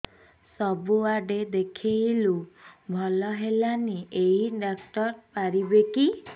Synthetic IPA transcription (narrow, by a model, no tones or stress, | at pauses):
sɔbuaɖed̪ekʰijlubʱɔlɔɦelaniʔeiɖakʈɔɾpaɾibeki